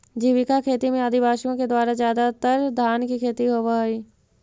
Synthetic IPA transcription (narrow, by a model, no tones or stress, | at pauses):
d͡ʒiːʋɪkakʰeːt̪imẽəd̪ʱɪbaːʃijõked̪waːɾazjaːd̪at̪əɾd̪ʱaːnkikʰeːt̪iɦoːʋaɦiː